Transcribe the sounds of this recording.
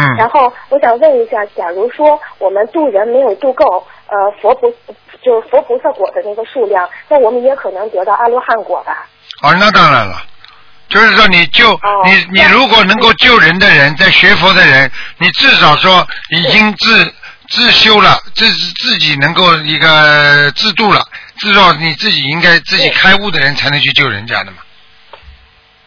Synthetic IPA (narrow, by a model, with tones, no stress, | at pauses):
n̩˥˩ɻa˧˥nxo˥˩ʊwɔ˧˥ɕjɑ˨˩ŋwə˥˩ni˧˥ɕja˥˩t͡ɕjɑ˨˩ɻu˧˥ʂwɔ˥wɔ˨˩mə˦nt̪u˥˩ɻə˧˥nme˧˥ɪjo˨˩ʊt̪u˥˧ko˥˩ʊə˧fwɔ˧˥pʰu˧˥t͡ɕjo˥˧ʊʂɻ̩˥˩fwɔ˧˥pʰu˧˥sɤ˥˩kwɔ˨˩d̪ə˦na˥˩ɡə˧ʂu˥˧ljɑ˥˩ŋna˥˩wɔ˨˩mə˦njɛ˧˥kʰɤ˨˩nɤ˧˥ŋt̪ɤ˧˥t̪ɑ˥˧ʊʔa˥˧lwɔ˧˥xa˥˩nkwɔ̰˨˩bɐ˧˦ | ə˥˧na˥˧t̪a˥˩la̰˨˩lə̰˨ | t͡ɕjo˥˧ʊʂɻ̩˥˩ʂwɔ˥ni˨˩t͡ɕjo˥˧ʊ˧ni˨˩ni˨˩ɻu˧˥kwɔ˨˩nɤ˧˥ŋko˥˧ʊt͡ɕjo˥˩ʊɻə˧˥nd̪ə˧ɻə˧˥nt͡sa˥˩ɪɕɥɛ˧˥fɔ˧˥d̪ə˧ɻə˧˥nni˨˩ʈ͡ʂɻ̩˥˩ʂɑ˨˩ʊʂwɔ˥i˨˩t͡ɕi˥ŋt͡sɹ̩˥˧ | t͡sɹ̩˥˩ɕjo˥ʊlə˨ʈ͡ʂ̩˥˧t͡sɹ̩˥˩t͡ɕi˨˩nɤ˧˥ŋko˥˧ʊi˧˥ɡə˧t͡sɹ̩˥˧t̪u˥˩lə̰˨˩ʈ͡ʂɹ̩˥˩ʂɑ˧˥ʊni˨˩t͡sɹ̩˥˩t͡ɕi˨˩i˥ŋka˥ɪt͡sɹ̩˥˩t͡ɕi˨˩kʰa˥ɪu˥˩d̪ə˩ɻə˧˥nt͡sʰa˧˥ɪnɤ˧˥ŋt͡ɕʰy˥˧t͡ɕjo˥˩ʊɻə̰˧˥nt͡ɕja̰˥˩d̪ə˩mɐ˩